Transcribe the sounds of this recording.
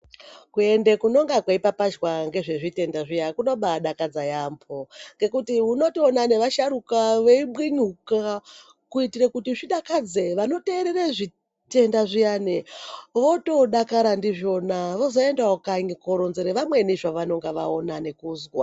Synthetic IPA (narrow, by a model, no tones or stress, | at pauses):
kue̞ndekuno̞ŋɡakweipapad͡ʒwaŋɡe̞ʐe̞ʐite̞ndaʐijakuno̞ɓaɗakad͡zajambʰo̞ŋɡe̞kutiuno̞tionane̞ʋaʃaɾukaʋeiɓwinuka | kuitiɾekutiʐiɗakad͡zeʋano̞te̞ɾereʐi | te̞ndaʐijaneʋo̞to̞ɗakaɾandiʐo̞naʋo̞zo̞e̞ndaokaɲikoɾonzeɾeʋamwe̞niʐaʋano̞ŋɡaʋa̰onane̞kuːzwa